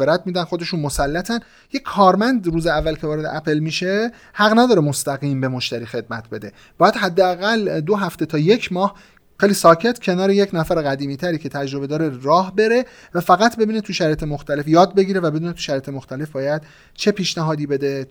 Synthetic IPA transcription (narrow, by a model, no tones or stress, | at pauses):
eɾæt̪ʰmiːd̪ænxo̞d̪e̞ʃunmo̞sælːæt̪ʰæn | jekʲʰːɒːɾmænd̪ɾuːzeævːælcʲʰe̞vɒːɾe̞d̪ḛʔæpʰelmiʃe̞ | hæɣnæd̪ɒːɾemost̪æɣiːmbemoʃt̪æɾiːxe̞d̪̚mæt̪ʰbe̞d̪e̞ | b̥ɒːjæd̪ɦæd̪ːeæɣæld̪oɦæft̪e̞t̪ʰɒːje̞cʰmɒːh | xejliːsɒːcʰe̞t̪ʰcʰe̞nɒːɾe̞je̞cʰnæfæɾeɣæd̪iːmiːt̪ʰæɾiːcʰe̞t̪ʰæd͡ʒɾo̞be̞d̪ɒːɾe̞ɾɒːhbe̞ɾe̞ | væfæɣæt̪ʰbe̞biːnet̪ʰuʃæɾɒːjet̪ʰemoxt̪æle̞fjɒːd̪̚be̞ɡiːɾevæbe̞d̪unet̪ʰu̥ʃæɾɒjet̪ʰemoxt̪æle̞fbɒːjæd̪ | t͡ʃʰe̞pʰiːʃnæɦɒːd̪iːbe̞d̪e